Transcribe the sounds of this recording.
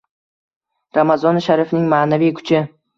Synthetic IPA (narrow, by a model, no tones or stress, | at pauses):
ɾamazɒnʃaɾifnɪŋmaːnavijkʰʊ̥t͡ʃʰɪ